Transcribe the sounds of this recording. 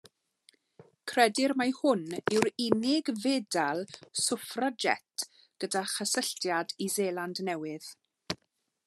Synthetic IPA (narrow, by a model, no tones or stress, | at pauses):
kʰrɛdɪɾmahʊnɪwɾɪnɪɡveːdalˠsʊfrad͡ʒɛ̰tʰ | ɡ̥ədaχəsəɬtjadizeːlˠandnɛwɪð